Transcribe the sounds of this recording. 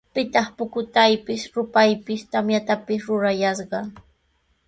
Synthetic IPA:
pɪt̪ɑχpʊkʊt̪ajpɪsɾʊpajpɪst̪amjat̪apɪsɾʊɾajɑsɢɑŋ

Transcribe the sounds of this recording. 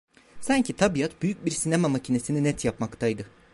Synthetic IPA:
saɲcʰit̪ʰabijat̪byjyc̚biɾsinemamacʰine̞sininɛt̪ʰjapmakt̪ʰajd̪ɯ

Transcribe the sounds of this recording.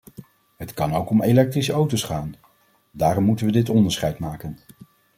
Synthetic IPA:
ɦətkɑnowkɔmejlɛk̚trisəowtosχaːn | daːrɔmːutənʋədɪtɔndəɹsχɛjtmaːkən

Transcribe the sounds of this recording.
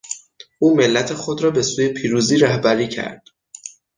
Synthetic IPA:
ʔuːme̞lːæt̪ʰe̞xod̪ɾɒːbe̞suːje̞pʰiːɾuːziːɾæhbæɾiːcʰæ̰ɾd̪̥

